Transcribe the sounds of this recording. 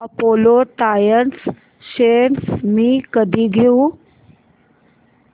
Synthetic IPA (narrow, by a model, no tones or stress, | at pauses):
ɐpoːloʈajəns | ʃensmĩkəd̪ʱiɡʱeu